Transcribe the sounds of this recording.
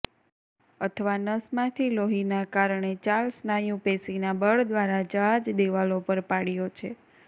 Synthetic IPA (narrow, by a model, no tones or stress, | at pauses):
ət̪ʰəʋanəsmãt̪ʰiloɦinakaɾɳet͡ʃalsnajũpesinabəɭd̪ʋaɾad͡ʒəɦad͡ʒd̪eʋalopəɾpaɽijot͡ʃʰe